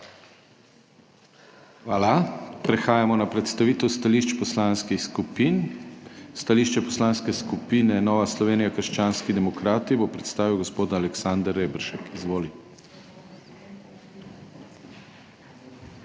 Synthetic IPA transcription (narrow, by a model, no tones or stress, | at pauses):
xʋaːlapɾɛxaːjamɔnapɾɛt̪st̪aʋiːt̪ɛwst̪aliːʃt͡ʃpɔslaːnskixskupin | st̪aliʃt͡ʃɛpɔ̥slaːnskɛskupinɛnɔːʋaslɔʋeːnijakəɾʃt͡ʃaːnskid̪ɛmɔkɾaːt̪ibopɾɛt̪st̪aːʋiwɡɔspoːd̪aːlɛksand̪əɾːeːbɾʃɛkizʋoːli